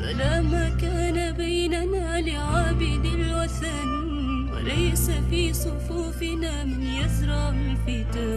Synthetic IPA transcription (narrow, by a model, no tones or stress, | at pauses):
ka̰laːmaːkaːnabajnanaːlɪʕaːbɪd̪alwaθaniːn | wa̰lajsafiːsˤʊfuːfɪnaːmɪnjazɾˤɑʔɪlfɪt̪aː